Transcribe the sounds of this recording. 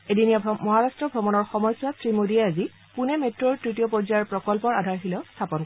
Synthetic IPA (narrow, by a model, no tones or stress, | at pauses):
edinijamɔɦaɹastɹɔbʱɹɔmɔnɔɹxɔmɔjswasɹimodiɛazi | punɛmetɹɔɹtɹitijɔpɔɹzajɛɹpɹɔkɔlpɔɹadʱaɹxilɛʊst̪ʰapɔnk